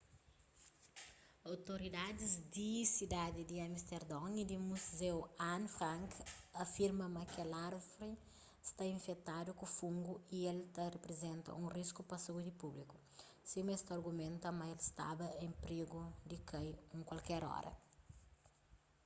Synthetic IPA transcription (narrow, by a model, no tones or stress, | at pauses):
awt̪oɾid̪ad̪izd̪isid̪ad̪id̪iamist̪eɾd̪ɔ̃ŋid̪imuzewãnfɾãŋkɐfiɾmɐmɐkelaɾfɾi | st̪aĩɱfet̪ad̪ukufũŋɡuielt̪ɐrepɾezẽnt̪ɐ̰ũriskupɐsɐud̪ipubliku̥ | simest̪ɐɾɡumẽnt̪ɐmɐelst̪a̰bɐẽmpɾeɡud̪ikajũŋkwalkɛɾɔ̰ɾɐ̰